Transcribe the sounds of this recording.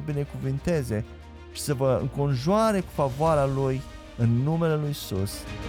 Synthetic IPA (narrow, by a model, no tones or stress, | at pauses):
bine̞kuvɨnt̪e̞ze̞ | ʃi̥səvəɨ̰ŋko̞nʒuaɾe̞ku̥favoaɾaluj | ɨnːume̞le̞lujsṵs